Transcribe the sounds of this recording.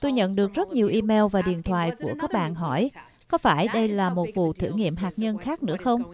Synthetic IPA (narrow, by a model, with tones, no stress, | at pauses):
t̪o˧jɲə̰˧˨nɗɨ˨˩ək̚zə˦˥t̚ɲi˨˩əwʔi˧mɛ˧wvaː˨˩ɗḭ˨ənt̪ʰwa̰ː˧˨jku˧˩əkaː˦˥k̚ɓa̰ː˧˨nɦɔ˧˩j | kɔ˨˦faː˧˩jɗə˧jlaː˨˩mo˨˩t̚vṵ˧˨t̪ʰɨ̰˧˩ŋḭ˧˨əmɦaː˨˩k̚ɲə˧nxaː˦˥k̚nɨ̰˧˥əxə˧wŋ͡m